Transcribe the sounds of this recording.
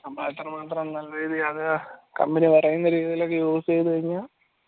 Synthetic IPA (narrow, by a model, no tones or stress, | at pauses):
ɐmaːt̪ːrɐmaːt̪rɐmnɐlːɐriːðiɐðɨkɐ̰mbinipɐrɐjunːɐɾiːðijilokːejoːsejt̪ɨkɐɻiɲːa